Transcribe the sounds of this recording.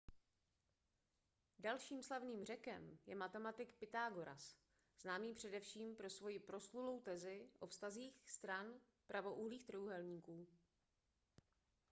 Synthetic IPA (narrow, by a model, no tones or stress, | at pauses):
dalʃiːmslavniːmrɛkɛ̰mjɛmat̪ɛmat̪ɪkpɪt̪aːɡo̞ɾa̰s | z̥naːmiːpr̝̥ɛdɛfʃiːmpɾo̞svo̞jɪpɾo̞slulo̞wt̪ɛzɪʔo̞fst̪aziːxst̪ɾan | pɾʔavo̞ʔuɦliːxt̪ɾuɦɛlɲiːkuː